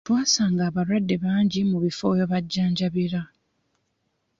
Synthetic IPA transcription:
twaːsaːŋɡaːβaɾwadːe̞βaːɲɟimuβifo̞joβaɟːaːɲɟaβiɾa

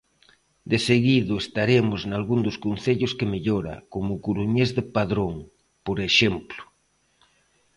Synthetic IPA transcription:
d̪eseɣiðʊest̪aɾemʊznalɣund̪ʊskon̟θeʎʊskemeʎoɾa̰komʊkuɾuɲezðepaðɾoŋ | poɾeʃemplʊ̥

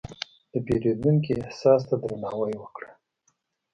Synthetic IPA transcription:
d̪̥əbeɾed̪uŋk̬iɪhsɑs̬t̪ad̪ɾanɑwəjwəkɽa

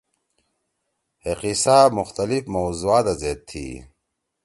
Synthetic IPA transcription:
heqisaːmʊxt̪ɐlifmowzuaːt̪azeːt̪ʰːḭ

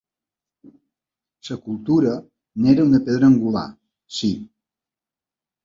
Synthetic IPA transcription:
səkulˠt̪uɾə | neɾəunəpeðɾəːŋɡula̰ | si

